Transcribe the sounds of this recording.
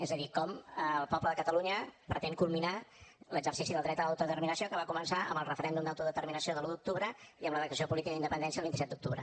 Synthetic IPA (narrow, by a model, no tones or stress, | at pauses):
ezəðikɔmːlˠpɔbləðəkət̪əluɲəpɾət̪ɛŋkulˠminaləɡzərsisiðəlˠɾɛt̪ələwt̪uðət̪ərminəsijokəβakumənsaʔə̰mbəlˠrəfəɾɛnd̪umd̪əwt̪uðət̪əɾminəsioðəlud̪uk̚t̪uβɾəiəmləðəkt̪əsiopulit̪ikəind̪əpənd̪ɛnsiəlˠβint̪isɛt̪d̪uk̚t̪uβɾə